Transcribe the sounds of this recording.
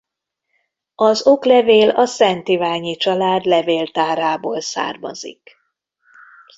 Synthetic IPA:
ɒzo̞klɛveːlɒsɛnt̪ivaːɲit͡ʃɒlaːd̪lɛveːlt̪aːɾaːboːlsa̰ːrmɒ̰zḭk

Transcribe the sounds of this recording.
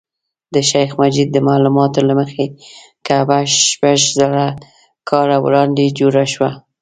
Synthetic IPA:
d̪əʃajxmad͡ʒid̪̚ːəmalumɑt̪olaməxe | kabaʃpaʒzaɽa | kʰɑɾawɾɑnd̪ed͡ʒoɾaʃwa

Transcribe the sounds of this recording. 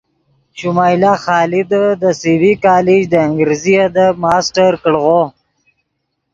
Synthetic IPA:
ʃumaːjlaxɑːlid̪əd̪əsiwikaːlid͡ʒd̪əɪŋɡɾizijad̪əmɑːsʈaɾkəɽɣo

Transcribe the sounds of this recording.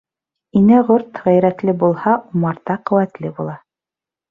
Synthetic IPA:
inɘʁoɾt̪ʁæjɾæt̪lɘbulˠhɑumɑɾt̪ɑqɵ̆wæt̪lɘbulˠɑ

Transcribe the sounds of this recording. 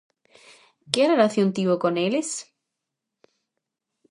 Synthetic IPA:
kerelaθjont̪iokoneles

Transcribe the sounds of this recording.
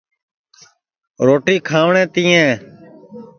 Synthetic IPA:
ɾoːʈiːkʰaːʋɳẽːt̪ĩːɛ̃ː

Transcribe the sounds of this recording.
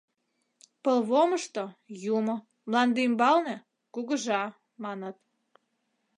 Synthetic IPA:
pəlβoməʃt̪ojumŏ | mlɑnd̪imbɑlne | kuɣəʒɑ | mɑnət̪

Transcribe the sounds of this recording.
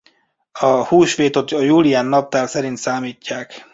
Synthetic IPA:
ɒhuːʃʋeːt̪ot̪ɒjuːlijaːnːɒp̚t̪aːlsɛɾint̪saːmiːcːaːk

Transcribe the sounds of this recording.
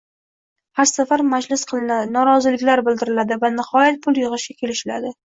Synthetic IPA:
haɾsafaɾmad͡ʒlɪsqʰɨlˠɪnanɒɾɒzɪlɪkʲlaɾbɪld̪ɪɾɪlad̪ɪvanɪhɒjat̪̚pʰʊlˠjɨʁɨʃɡʲakʲʰe̞lɪʃɪla̰d̪ɪ

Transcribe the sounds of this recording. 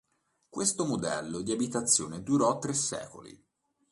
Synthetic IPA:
kwest̪omod̪ɛ̰lːod̪iabit̪at̪sːjo̰ːned̪uɾɔt̪ːɾesːɛ̰ːko̰lḭ

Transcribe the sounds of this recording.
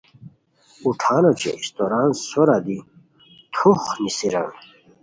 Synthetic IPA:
uʈʰaːnot͡ɕʰḛist̪oɾaːnsoɾad̪i | t̪ʰuχnisiɾa̰n

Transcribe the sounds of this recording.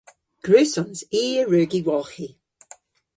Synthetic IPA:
ɡ̥ɹʉːsɔnziːəɹʉːɡiwɔlˠxi

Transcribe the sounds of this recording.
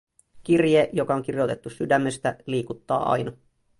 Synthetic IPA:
k̟irjeːʔjo̞kɑoŋk̟irjo̞t̪e̞t̪ːusydæmːe̞st̪æliːkut̪ːɑ̰ːʔɑ̰jnɑ

